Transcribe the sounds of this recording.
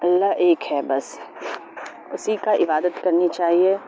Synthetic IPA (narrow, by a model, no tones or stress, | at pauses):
ɐlːaʔeːkɦɛbɐs | ʊsikaʔɪbaːd̪ət̪kɐɾnit͡ʃaːɦie